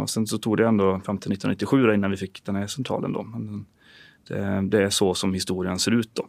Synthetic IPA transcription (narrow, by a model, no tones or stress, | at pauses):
ɔ̰sɛnsɔt̪ʰuːɡd̪ɛɛnd̪ɔfɾamt̪ɪlɪt̪ːnɪt̪ːɪɧʉ̟ːd̪aɪnːanʋɪfɪkːd̪ɛnhæʂɛnt̪ʰɾɑ̰ːlə̰nd̪o̰ːmɛn | d̪̥ɛ̰d̪ɛæʂɔsɔmhɪst̪uːɾɪənseːɾʉ̟ːt̪̚d̪̥ɔ